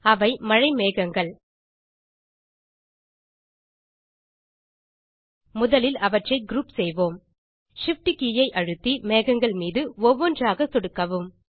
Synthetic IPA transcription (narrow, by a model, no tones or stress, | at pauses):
ɐʋɐɪmɐɻɐɪmeːɣɐŋɡɐɭ | mʊðɐlɪlɐʋɐʈrɐɪɡɾuːpsɛjʋoːm | ʂɪfʈɯkijɐɪʔɐɻɯt̪ːimeːɣɐŋɡɐɭmiːðɯɔʋːɔndraːɣɐsɔɽɯkːɐʋɯm